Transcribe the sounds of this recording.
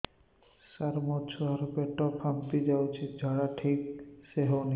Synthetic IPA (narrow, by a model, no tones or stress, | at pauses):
saɾmɔt͡ʃʰoɦaɾpeʈːɔpʰamt̪id͡ʑawt͡ɕʰed͡ʑʱaɽaʈʰik̚ʃeɦɔwni